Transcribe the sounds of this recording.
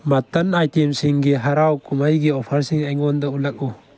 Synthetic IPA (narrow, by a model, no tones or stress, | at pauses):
mat̪anajtʰemsiŋɡeɦaɾawkumajɡeɔpʰaɾsiŋajŋɡɔndɔulak̚u